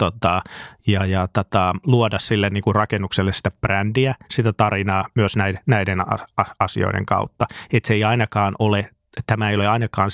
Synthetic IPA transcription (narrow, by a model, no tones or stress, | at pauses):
t̪ot̪ɑjɑjɑt̪ot̪ɑluodɑssilːenniːŋkurrɑkenːukselːessi̥t̪æb̥rændiæsit̪æt̪ɑrinɑːmyøsnæinæidenɑ̰ɑɑsḭo̰idḛŋkɑ̰ut̪ːɑet̪seiɑinɑkɑːnole | t̪æmæeioleɑinɑkɑːn